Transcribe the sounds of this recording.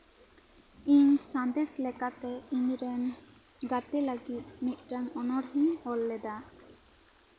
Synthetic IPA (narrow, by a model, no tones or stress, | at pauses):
iɲsãnd̪ɛslɛkat̪ɛiɲɾɛn | ɡat̪ɛləɡit̪̚niʔ̪̚ˀʈanɔnɔɽɦiŋɔlːɛd̪a